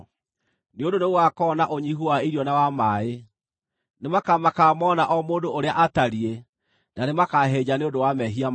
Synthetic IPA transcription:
neondoneɣwakɔnaʔoɲiɦuaiɾjɔnawamae | nemakamakaːmɔnaʔɔmoːndoʔoɾeaʔataɾie | nanemakaɦeːd͡ʑaneondowamɛɦiam

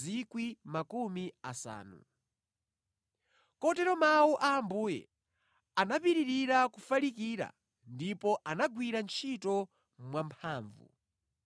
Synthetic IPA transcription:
ikwimakumiasa̰ːnṵ | kɔtɛɾɔmauʔaːmbuːjɛ̰ | anapiɾiɾiɾakufalikiːɾa̰ | ndipɔʔanaɡwiɾant͡ʃʰitɔ | mwampʰaːɱvṵ

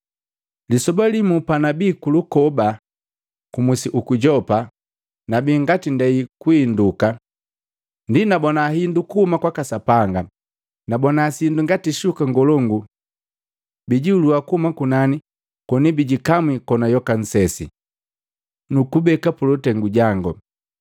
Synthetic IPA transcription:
lisɔbalimupanabiːkulukɔba | kumusiʔukuɟɔpa | nabiːŋɡatindɛikuinduka | ndinabɔnaːɦindukuhumakwakasapaŋɡa | nabɔnaːsinduŋɡatiʃukaŋɡɔlɔŋɡu | biɟiuluakuhumakunani | kɔnibiɟikamwikɔnajɔkan̩sɛsḭ | nukubɛkapulutɛŋɡuɟaŋɡɔ

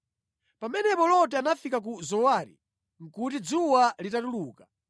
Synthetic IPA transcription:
pamɛnɛpɔlɔt̬ɛanafikak̬uzɔwaɾḭ | ŋ̩kut̬id͡zuwalitatuluːka

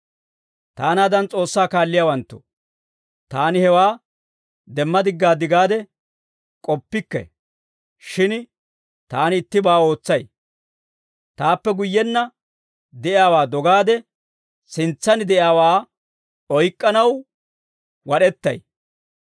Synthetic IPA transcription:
t̪aːnaːd̪ɐnt͡sʼo̞ːsːaːkaːlːɪjaːwɐnt̪ːɔ̥̰ | t̪aːnɪhɛwaː | d̪ɛmːɐd̪ɪɡːaːd̪ɪɡaːd̪ɛ | kʼɔpːɪkːɛ̰ | ʃɪn | t̪aːnɪt̪ːɪbaːo̞ːt͡sːɐj | t̪aːpːɛɡʊjːɛnːɐ | d̪ɛʔɪaːwaːd̪ɔɡaːd̪ɛ | sɪnt͡sːɐnɪd̪ɛʔɪaːwaː | ɔjkʼːɐnɐw | wɐɗɛt̪ːɐ̰j

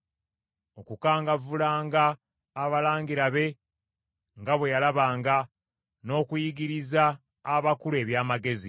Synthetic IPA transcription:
o̞kukaːŋɡavulaːŋɡaː | βalaːŋɡiɾaβe̞ | ŋɡaβwe̞jalaβaːŋɡa | no̞ːkujiɡiɾizaː | βakule̞ːβjaːmaɡe̞zi

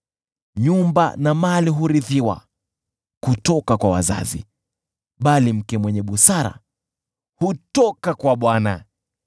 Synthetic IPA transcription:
ɲumba̰namaliɦuɾiðiwa̰ | kutɔkakwawa̰za̰zḭ | ɓalim̩kɛmwɛɲɛɓusaɾa̰ | hutɔkakwaɓwana

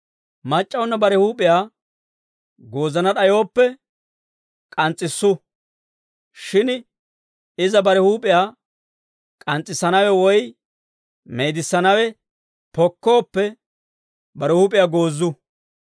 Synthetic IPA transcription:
mɐt͡ʃʼːɐwnːɐbɐɾɛhuːpʼɪjaː | ɡo̞ːzɐnɐɗɐjo̞ːpːɛ | kʼɐnt͡sʼːɪsːʊ | ʃɪn | ɪzɐbɐɾɛhuːpʼɪjaː | kʼɐnt͡sʼːɪsːɐnɐwɛwɔj | me̞jd̪ɪsːɐnɐwɛ | pɔkːo̞ːpːɛ | bɐɾɛhuːp̬ʼɪjaːɡo̞ːzːʊ

